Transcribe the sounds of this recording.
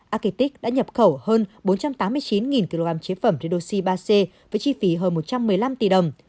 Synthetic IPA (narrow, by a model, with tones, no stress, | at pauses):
ʔaː˧ki˧t̪i˦˥k̚ɗa̰ː˧˥ɲə˨˩p̚xə˧˩whəː˧nɓo˨˦nt͡ɕa˧mt̪aː˨˦mːɨ˧əjt͡ɕi˨˦nŋi˨˩nki˧lo˧ɣaː˧mt͡ɕe˨˦fə˧˩mzi˧ɗo˧si˧ɓaː˧se˧vəː˨˦jt͡ɕi˧fi˨˦ɦəː˧nmo˨˩t̚t͡ɕa˧mːɨ˨˩əjla˧mt̪i˨˩ɗə˨˩wŋ͡m